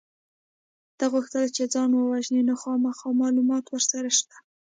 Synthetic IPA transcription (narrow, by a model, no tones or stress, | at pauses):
d̪̥aɣuxt̪əlt͡ʃed͡zɑnwəwaʒnenoxɑmaxɑmɑlumɑt̪wəɾsaɾaʃt̪ḁ